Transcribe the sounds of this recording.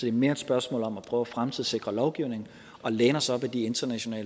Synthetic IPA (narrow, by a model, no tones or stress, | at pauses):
ɒd̥e̝ɐme̝ːɐed̥sb̥ɶɐsmɔ̰ːlɒ̽mæpʰʁœːʊæfʁamt͡sʰið̰ˠse̝ɡ̥ʁɐlɒʊɡ̥iʊne̝ŋ̩ | ɒ̽leːnɐsɒ̽b̥æd̥ie̝nd̥ɐnæɕo̝nɛ̰ːl